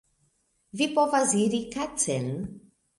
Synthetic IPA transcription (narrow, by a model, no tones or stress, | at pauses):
vipovaziɾikat͡sel